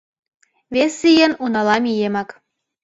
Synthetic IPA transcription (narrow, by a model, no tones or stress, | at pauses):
βesijenunɑlɑmijemɑk